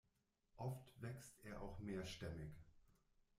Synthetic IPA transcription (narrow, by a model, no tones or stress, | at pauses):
ʔɔftv̥ɛkstʔeːɐʔa̰ʊxmeːɐʃtɛmɪk